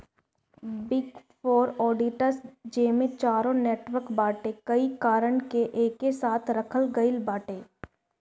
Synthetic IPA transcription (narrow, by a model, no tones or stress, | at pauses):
bɪɡfoːɾɔːɖiʈəɾsd͡ʒeːmẽt͡ʃaːɾõneːʈʋəɾkbaːʈekɐikaːɾəɳ̃keʔeːkːesaːt̪ʰɾɐkʰəlɡɐɪlbaːʈeː